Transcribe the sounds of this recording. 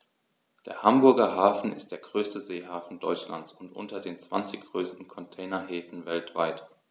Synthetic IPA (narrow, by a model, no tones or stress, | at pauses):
d̥eːɐhambʊɐɡɐɦaːfn̩ɪ̰st̚d̥eːɐɡʁøːstəzeːhaːfn̩dɔʏt͡ʃla̰nt͡sʊntʔʊ̰ntɐdeːnt͡sv̥a̰nt͡sɪçɡ̥ʁøːstn̩kʰɔntʰɛɪnɐɦeːfn̩vɛltv̥a̰ɪt